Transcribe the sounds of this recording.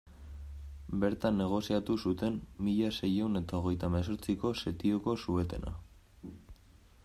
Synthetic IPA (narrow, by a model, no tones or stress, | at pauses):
be̞ɾt̪anːe̞ɣ̞o̞siat̪usut̪e̞mmiʎase̞je̞wne̞t̪aoɣ̞e̞jt̪ames̬oɾt͡siko̞se̞t̪ioko̞sue̞t̪e̞na̰